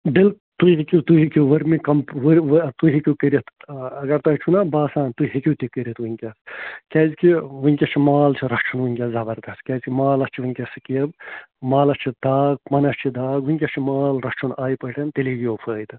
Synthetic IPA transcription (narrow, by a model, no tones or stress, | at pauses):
d̪il | t̪uɦikʲit̪uɦikiʋɐɾmikɐmpʋɐɾʋt̪uɦikʲikəɾʲɐt̪ʰɐɡɐɾt̪ɐt͡ʃʰunabaːsaːnt̪uɦikʲut̪ikəɾʲɐt̪ʋuŋʲkʲɐskʲɐzkiʋɨŋʲkʲɐt͡ʃʰimaːlt͡ʃʰiɾɐst͡ʃʰunʋuŋʲkʲɐzɐbɐɾd̪ɐskʲaːzkimaːlɐst͡ʃʰiʋɨŋʲkʲɐsɨkiɐbmaːlɐst͡ʃʰid̪aːk̚mɐnɐst͡ʃʰid̪aːkʋɨŋʲkʲɐst͡ʃʰimaːlɾɐkt͡ʃʰunaːjipəʈʰɐnt̪eliɡijoːpʰəːjd̪ɨ